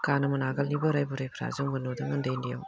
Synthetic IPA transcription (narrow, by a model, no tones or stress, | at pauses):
kanɐmɯnaɡalnibɯɾajbuɾajpʰɾa̰zɯŋbɯnodɯmɯndejndija̰w